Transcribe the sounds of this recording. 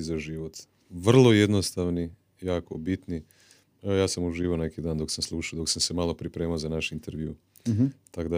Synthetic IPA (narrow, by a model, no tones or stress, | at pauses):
zaʒiʋot̪ | ʋr̩lˠo̞je̞d̪no̞st̪aʋni | jaːko̞bit̪ni | jaːsamuʒiːʋone̞kid̪aːnd̪o̞ksamslˠuʃaod̪o̞ksamse̞malˠo̞pɾipɾe̞ːmaozanaʃint̪eɾʋjṵ | t̪akod̪a